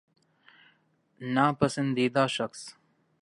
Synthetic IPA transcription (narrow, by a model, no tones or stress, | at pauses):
naːpɐsɐnd̪iːd̪aːʃɐks